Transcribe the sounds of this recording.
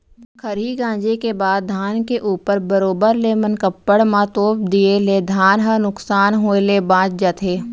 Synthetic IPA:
kʰəɾiɡãːd͡ʒekebaːd̪̚d̪ʱaːnkeʔuːpəɾbəɾoːbəɾleːmənkəpːəɽmãt̪oːp̚d̪ieleːd̪ʱaːnɦənʊksaːnɦoːelebãːt͡ʃd͡ʒat̪ʰeː

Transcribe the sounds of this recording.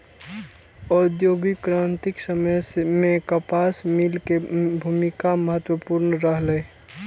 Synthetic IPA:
ɔːd̪joːɡikɾant̪ɪksəməjsemẽkəpaːsmilkebʱumɪkaməɦət̪wəpuɾnəɾəɦləe

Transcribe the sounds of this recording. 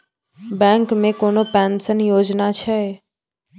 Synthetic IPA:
bɛ̃ːŋkmẽkoːnopɛ̃ːnsənjoːd͡ʑnat͡ɕʰɐ

